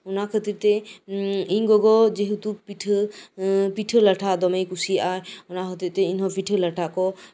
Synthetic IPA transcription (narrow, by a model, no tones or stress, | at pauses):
ɔnakʰɔt̪iɾt̪ɛ | iŋɡɔɡɔd͡ʒeɦut̪upiʈʰ | piʈʰɯlaʈʰad̪ɔmejkusiajɔnakʰɔt̪iɾt̪ɛinɦɔpiʈʰɯlaʈʰakɔ